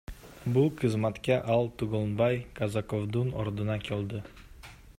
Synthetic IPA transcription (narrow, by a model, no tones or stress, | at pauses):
buqʰɨzmat̪kʲaʔɑlˠt̪ʰuɡonbɑjkʰazakovd̪unoɾd̪ɨnɑkʲʰelʲd̪ɪ